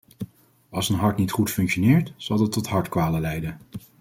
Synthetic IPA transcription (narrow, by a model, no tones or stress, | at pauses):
ɑlˠsənɦɑɹtnitχutfɵŋkʃonɪːɹtz̥ɑlˠdɑtːɔtɦɑɹtkʋaːləlɛjdən